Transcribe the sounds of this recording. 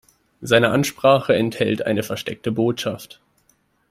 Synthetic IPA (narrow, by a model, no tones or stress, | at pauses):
zaɪnəʔanʃpʁ̥aːχəɛnthɛ̰ltʔa̰ɪnəfɛɐʃtɛ̰k̚təboːtʃaft